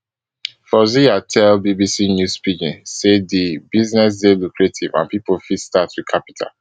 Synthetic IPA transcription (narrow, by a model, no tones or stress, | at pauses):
fɔziatʰɛlbibisinjuspikĩnsedibiznɛs̬delukʰɹetʰivã̰npipolfidstatwikʰapi̥tʰa̰